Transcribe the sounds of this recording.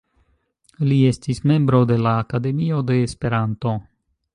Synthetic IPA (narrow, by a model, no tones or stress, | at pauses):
lie̞stisme̞mbɾo̞de̞laːkade̞mio̞de̞ːspe̞ɾanto̞